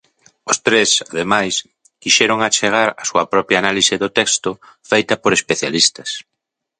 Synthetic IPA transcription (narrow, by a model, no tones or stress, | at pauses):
ʊst̪ɾesaðemajs | kiʃɛɾoŋat͡ʃeɣ̞aɾɐsuɐpɾɔpjaːnalisɪðʊt̪ɛkst̪ʊ | fejt̪ɐpoɾespeθjalist̪ɐs